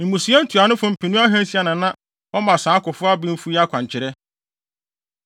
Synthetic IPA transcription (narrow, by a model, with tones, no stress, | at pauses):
m̩˨mũ˨si˨˦ɛ˦n̩˦tʰu˨a˨nʊ̃˦fʊ̃˨m̩˨pʰi˨nũ˦a˦ɦɛ̃˦n̩˦si˦a˨nʊ̃˨nã˦ | ɔ˦mã˨sãː˨˦kʊ˨fʊ˦a˦bĩ˦m̩˦fu˦a˦kʰʷã˨ɲ˨t͡ɕʰɪ˨ɾɛ˦